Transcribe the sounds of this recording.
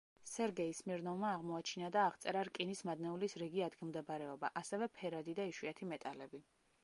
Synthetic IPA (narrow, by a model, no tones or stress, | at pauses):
sɛɾɡɛismiɾnɔvmaːʁmɔat͡ʃʰinad̪aːʁt̪sʼɛɾaɾkʼinismad̪nɛulisɾɛɡiad̪ɡilˠmd̪ɛbɾɛɔbaʔasɛvɛpʰɛɾad̪id̪aiʃwiat̪ʰimɛt̪ʼalɛbi